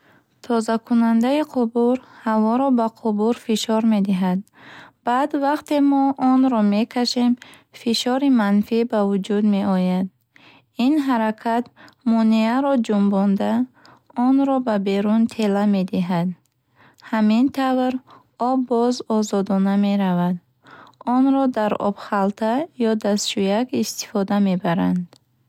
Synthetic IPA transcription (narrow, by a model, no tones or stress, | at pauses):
t̪ʰɔzakʰunand̪aiqʰubuɾhavɔɾɔbaqʰubuɾfiʃɔɾme̞d̪iɦad̪̚ | b̥ad̪vaqt̪e̞mɔʔɔnɾɔme̞kʰaʃem | fiʃɔɾimanfibavud͡ʒud̪me̞ɔjad̪̚ | inɦaɾakʰat̪mɔniaɾɔd͡ʒumbɔnd̪a | ɔnɾɔbabe̞ɾunt̪ʰe̞lame̞d̪iɦad̪ | hamint̪ʰavɾ | ɔbːɔzɔzɔd̪ɔname̞ɾavad̪ | ɔnɾɔd̪aɾɔ̰b̥χalt̪ʰajɔd̪ast͡ʃujakist̪i̥fɔd̪ame̞baɾand̪